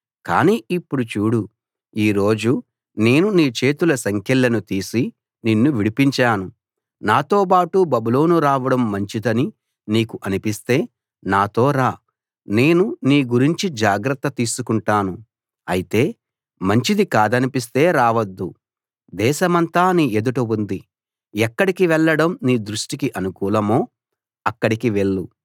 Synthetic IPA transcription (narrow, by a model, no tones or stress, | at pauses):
ka̰ːniːipːuɽut͡ʃuːɽu | iːɾo̞ːd͡ʒu | ne̞ːnuniːt͡ʃe̞ːt̪ulɐsɐŋkʰɛlːɐnut̪iːsi | ninːuʋiɽipiɲt͡ʃaːnu | naːt̪o̞ːp̬aːʈubɐbulo̞ːnuɾaːʋɐɽɐmːɐɲt͡ʃid̪ɐni | niːkuʔɐnipist̪e̞ː | naːt̪o̞ːɾaː | ne̞ːnuniːɡuɾiɲt͡ʃid͡ʒaːɡɾɐt̪ːɐt̪iːsukuɳʈaːnu | ɐjit̪e̞ː | mɐɲt͡ʃid̪ikaːd̪ɐnipis̬t̪e̞ːɾaːʋɐd̪ːu | d̪ɛːʃɐmɐnt̪aːniːed̪uʈuund̪i | ɛkːɐɽikiʋɛɭːɐɽɐmniːd̪ɾuʂʈikiʔɐnukuːlɐmoː | ɐkːɐɽikiʋe̞ɭːu